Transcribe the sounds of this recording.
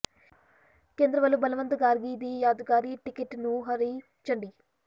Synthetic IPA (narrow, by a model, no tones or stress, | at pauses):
keːnd̪ɾɐʋɐlubɐlɐʋɐnt̪ɐɡaːɾɡiːd̪ijaːd̪uɡaːɾiʈikeʈnuɦɐɾi | t͡ʃːɐɳɖi